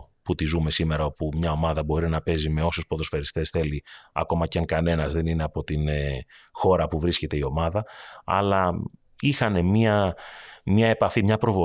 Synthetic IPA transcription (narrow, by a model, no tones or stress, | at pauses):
put̪izume̞sime̞ɾɐo̞pumɲɐo̞mɐðɐbo̞ɾinɐpe̞zime̞o̞sospo̞ðo̞sfeɾist̪e̞sθe̞liɐ̰ko̞mɐceɐŋkɐne̞nɐzðe̞nine̞ɐpo̞t̪in | xo̞ɾɐpuvɾisce̞t̪e̞io̞mɐðɐɐ̰lɐ | ixɐne̞miɐ | mɐe̞pɐfimɲɐpɾo̞vo